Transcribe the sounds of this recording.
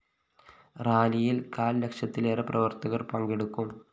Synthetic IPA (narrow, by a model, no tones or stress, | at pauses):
raːlijilkaːllekʂjɐt̪ːileːrɐprɐʋɐrt̪ɐɣɐrpɐŋɡe̞ɽukːum